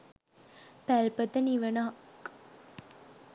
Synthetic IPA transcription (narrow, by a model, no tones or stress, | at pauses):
pælpət̪əniʋənak